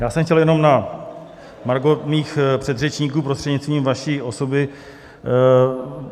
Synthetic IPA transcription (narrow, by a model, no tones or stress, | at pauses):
jaːsɛmxcɛljɛno̞mna | maɾɡomiːxpr̝̥ɛd̪rɛt͡ʃɲiːkuːpɾost̪r̥ɛdɲɪtt͡st̪viːmvaʃiːʔo̞so̞bɪ